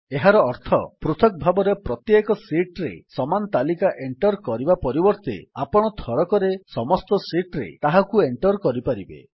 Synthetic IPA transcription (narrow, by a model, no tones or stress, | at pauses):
eɦaɾɔːɾt̪ʰɔ̰pɾut̪ʰɔk̚bʱabɔɾepɾɔt̪jekɔsiʈɾḛsɔmanɔt̪alikaʔeɳʈɔɾkɔɾibapɔɾibɔɾt̪ḛapɔɽ̃ɔt̪ʰɔɾɔkɔɾesɔmɔst̪ɔsiʈɾḛt̪aɦakueɳʈɔɾkɔɾipaɾibḛ